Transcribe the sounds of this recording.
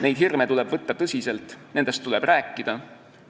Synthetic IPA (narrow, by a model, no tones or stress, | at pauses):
ne̞jd̪̥ɦirmet̪ulɛb̥vɤt̪ːɑt̪ɤsʲise̞lt̪ːˑnend̪̥e̞st̪ːulɛb̥ræːkːˑid̪̥ɑ